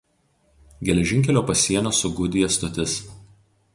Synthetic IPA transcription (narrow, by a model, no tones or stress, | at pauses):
ɡʲɛlʲɛʒʲɪŋʲkʲɛlʲoːpɐsʲiɛnʲoːsʊɡʊd̪ʲɪjɛst̪ɔt̪ʲɪs